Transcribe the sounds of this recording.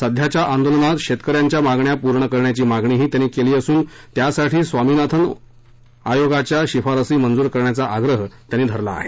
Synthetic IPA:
səd̪ʱjat͡ɕjaʔand̪olənat̪ɕet̪kəɾjaɲt͡ɕjamaɡɳjapuɾɳəkəɾɳjat͡ɕiːmaɡɳiːɦiːt̪janːiːkeliːəsuːnt̪jasaʈʰiːsʋamiːnat̪ʰən | ajoɡat͡ɕjaɕifaɾəsiːmənd͡zuːɾkəɾɳjat͡saʔaɡɾəɦət̪janːiːd̪ʱəɾla̰ːɦe

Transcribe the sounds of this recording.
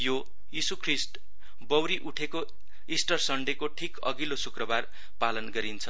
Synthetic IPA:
jo | jisukʰrisʈ | bʌwɾiʔuʈʰeko | isʈʌrsʌɳɖekoʈʰikʌ̰ɡilosukrʌbar | palʌnɡʌɾint͡sʰʌ

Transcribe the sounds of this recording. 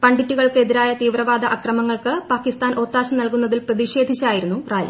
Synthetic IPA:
pɐɳɖitːuɣɐɭkɨe̞ðiɾaːjɐt̪iːʋrɐʋaːd̪ʱɐʔɐkrɐmɐŋːɐɭkɨpaːkist̪aːnʔo̞ːt̪ːaːɕɐmnɐlkunːɐðilprɐðiɕe̞ːd̪ʱit͡ɕːaːjiɾunːuraːl̰

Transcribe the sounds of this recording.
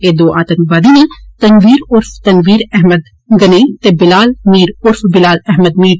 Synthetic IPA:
eːd̪oːʔaːt̪ɐnbaːd̪init̪ɐnʋiːɾʊɾft̪ɐnʋiːɾɛɦməd̪ | ɡɐnet̪ebɪlaːlmiːɾʊɾfbɪlaːlɛɦməd̪̚miːɾ

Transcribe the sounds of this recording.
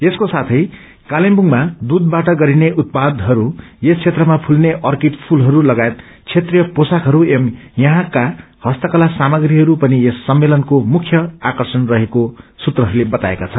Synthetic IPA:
eskosat̪ʰʌj | kalembuŋmad̪ud̪̚baʈʌɡʌɾineʔut̪̚pad̪ɦʌɾujest͡sʰet̪rʌmapʰulneʔʌrkiʈpʰulɦʌɾulʌɡajet̪ | t͡sʰet̪rijʌposakɦʌɾuemjʌɦãka | hʌst̪ʌkʌlasamʌɡriɦʌɾupʌniesːʌmːelʌnkomukʰjʌakʌrsʌnrʌɦekosut̪rʌɦʌɾulebʌt̪aḛkat͡sʰʌn

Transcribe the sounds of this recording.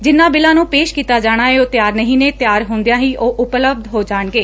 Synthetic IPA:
d͡ʒɪnːãːbɪlãːnũːpeːʃkiːt̪aːd͡ʒaːɽ̃aːeoːt̪ɪjaːɾnəɦĩːneːt̪jaːɾɦõːnd̪ejãːɦiːoːʔʊpləb̚d̪ɦoːd͡ʒaːɳɡeː

